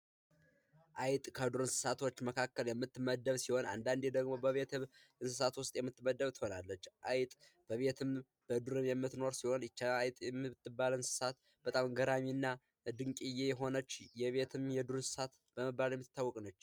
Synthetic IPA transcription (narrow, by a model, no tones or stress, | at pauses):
ʔajt̪ʼkʰəd̪uɾɨnsɨ̥sat̪ʰo̞t͡ʃːməkʰakːəljɛmːɨt̪ːɨməd̪ːəβsiho̞na̰nd̪and̪ed̪əɡmo̞bəβe̞t̪ʰɨ | ɨnsɨsat̪wʊst̪ʼjɛmːɨt̪ːməd̪ːəβt̪ʰɨho̞nalːət͡ʃːʔajt̪ʼ | b̥əβe̞t̪ʰɨm | b̥əd̪uɾɨmjɛmːɨt̪no̞ɾsiho̞nɪt͡ʃːaajt̪ʼjɛmːɨt̪ːɨbːalɨnsɨ̥sat̪ | b̥ət̪ʼamɡəɾaminːa | d̪ɨŋkʼijejɛɦo̞nət͡ʃːjɛβe̞t̪ʰɨmjɛd̪uɾɨnsɨ̥sat̪ | b̥əmɨbːaljɛmːɨt̪ːɨt̪ːawːɔkʼnət͡ʃː